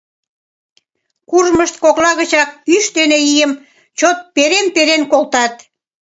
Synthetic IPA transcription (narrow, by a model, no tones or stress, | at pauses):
kurməʃt̪̚koklɑɣət͡ɕɑk̚pyʃt̪eneijəm | t͡ɕot̪̚peɾenpeɾenkolt̪ɑt̪